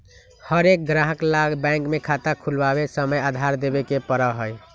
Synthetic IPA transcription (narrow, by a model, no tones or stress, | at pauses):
həɾek̚ɡɾaɦəklaɡbɛ̃ŋkmekʰat̪akʰulbabesəməjad̪ʱaɾd̪ebekepəɾəɦəj